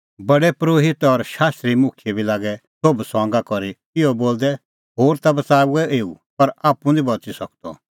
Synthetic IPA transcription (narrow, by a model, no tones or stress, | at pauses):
bɐɽɛpɾoːɦɪt̪ɔɾʃaːst̪ɾimʊ̃kʰjɛbilaːɡɛsobsɔ̃ːŋɡakɔɾi | ɪɔboːld̪ɛ | ɦoːɾt̪abɐt͡saːuɛʔeːu | pɐɾaːpũd̪ibɐt͡sisɐk̚d̪ɔ̰